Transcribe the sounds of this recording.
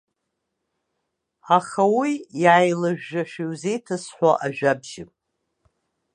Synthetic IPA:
aχawijajlaʒᶣːaʃᶣiwze̞jtʰasħʷaʔaʒᶣabʒɪmʼ

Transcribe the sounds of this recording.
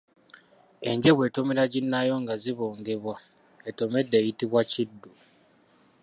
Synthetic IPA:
e̞ɲɟe̞βwe̞tomeɾaɟinːajo̞ŋɡaziβoːŋɡe̞βwa | eto̞me̞dːe̞ːjitiβwacidːu

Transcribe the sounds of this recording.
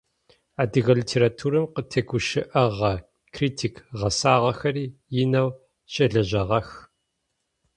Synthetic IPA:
aːdɨɣɐlitʰeːɾatʰuːɾɐmqətʰɐɡʷʊʃɪʔɐʁɐ | kʰriːtʰiːkʰʁɐsaːʁɐxɐriːjɪnɐw | ɕʼɐɮɐʑɐʁɐx

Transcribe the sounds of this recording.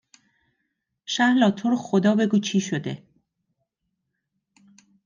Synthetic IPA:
ʃæhlɒːt̪ʰoɾxod̪ɒːbe̞ɡuːt͡ʃʰiːʃod̪e

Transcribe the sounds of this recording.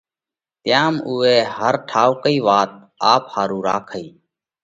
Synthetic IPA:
t̪jaːmʊːeːɦəɾʈʰaːʊkəiːʋaːt̪̚ | aːphaːɾũːɾa̰ːkʰəiː

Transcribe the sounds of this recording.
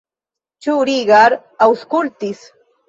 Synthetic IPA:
t͡ʃʊɾiɢɑɾ | awskʊlt̪ɪs

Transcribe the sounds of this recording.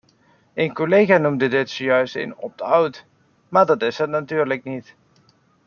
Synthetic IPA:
enkolejxanumdədɪtsojœɥstḛnɔ̰p̚dəawt | maːɹdɑtɪsətnatyːɹləknit

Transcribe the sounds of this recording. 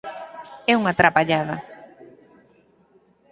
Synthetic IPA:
ɛuŋat̪ɾapaʎaða

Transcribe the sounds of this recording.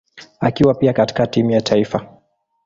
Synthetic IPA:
akiwapiakati̥katimujatʰaifa

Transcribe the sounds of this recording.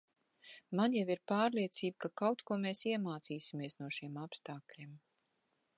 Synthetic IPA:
manjaviɾpaːɾliɛt̪siːb̚kakawt̪kuɔmeːsiɛmaːt̪siːsimiɛsnuɔʃimapst̪aːklʲiɛm

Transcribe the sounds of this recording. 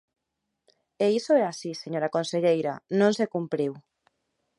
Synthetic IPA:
eisoɛasiseɲoɾakõnseʎejɾanõnsekumpɾiw

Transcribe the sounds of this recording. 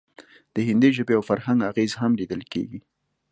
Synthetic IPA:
d̪̥əɦɪnd̪eʒəbeawfaɾɦaŋɡaɣezɦamlid̪əlkḛɡi

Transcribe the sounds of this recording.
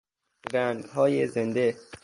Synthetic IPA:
ɾænd̪hɒːjezend̪e

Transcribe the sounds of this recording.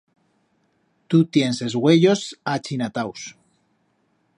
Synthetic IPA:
t̪ut̪jense̞zɣwe̞ʎo̞sat͡ʃinat̪aws

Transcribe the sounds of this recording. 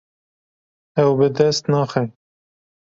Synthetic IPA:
ɛwbɨd̪ɛst̪nɑːxɛ

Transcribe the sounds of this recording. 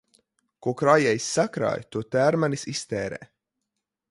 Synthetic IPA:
kuɔkɾaːjɛjsʲːakɾa̰ːjt̪uɔt̪æːɾmanisist̪ɛːɾɛ̰ː

